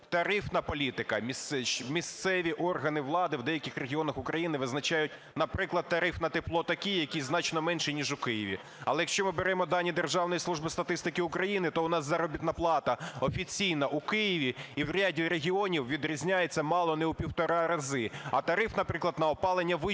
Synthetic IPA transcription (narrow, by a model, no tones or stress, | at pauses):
t̪ɐɾɪfnɐpɔlʲit̪ɪkɐmʲismʲist̪sɛʋʲiʔɔrɦɐnɪʋlˠɑd̪ɪwd̪ɛjɐkʲɪxreɦʲiɔnɐxʊkɾɐjinɪʋɪznɐt͡ʃajʊtʲ | nɐpɾɪklˠɐd̪̚t̪ːɐɾɪfnɐt̪ɪplˠɔt̪ɐkʲijjɐkʲiznɑt͡ʃnɔmɛnʃɛnʲiʒʊkɪjɪʋʲḭ | ɐlˠɛjɐkʃt͡ʃɔmɨɪbeɾɛmɔd̪ɑnʲːid̪erʒɑwnɔjislˠuʒbɪst̪ɐt̪ɪst̪ɪkɪʊkɾɐjinɪt̪ɔʊnɑszɐɾɔbʲit̪nɐplˠɑt̪ɐɔfʲit͡sʲijnɐʔʊkɪjɪʋʲiiwɾʲadʲiɾeɦʲiɔnʲiwʋʲid̪ɾʲizʲnʲajet͡sʲːɐmɑlˠɔnɛʊpʲiwt̪ɔɾɑɾɐzɪɐt̪ɐɾɪfnɐpɾɪklˠɐd̪nɐɔpɑlˠenʲːɐʋɪ